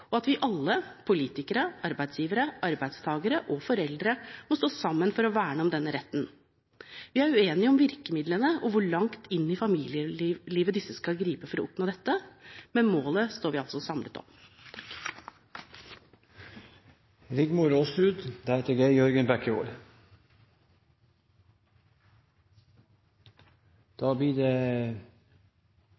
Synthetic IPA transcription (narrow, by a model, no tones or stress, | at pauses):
ɔɑt̪ʋɪʔɑlːəpʰʊliːt̪ɪkəɾəɑɾbæɪd̪sjiːʋəɾəʔɑɾbæɪd̪st̪ʰɑːɡəɾəʔɔfɔɾɛld̪ɾəmɔst̪oːsɑmːənfɔɾɔʋæːɳəɔmd̪ɛnːəɾɛt̪ːn | ʋɪæɾʉeːnɪəɔmʋɪɾkəmɪd̪lənəɔʋʊɭɑŋt̪ʰɪnːɪfɑmiːlɪəliːʋəd̪ɪsːəskɑlɡɾiːpəfɔɾɔʊpnoːd̪ɛt̪ːəmɛnmoːləst̪oːɾʋiːɑltsɔsɑmlət̪ɔ̰m | ɾɪɡ̪muɾoːsɾʉːd̪d̪æɛt̪əɡeɪjœɾɡənbɛkəo̰ːɾ | d̪̥ɑːbliːde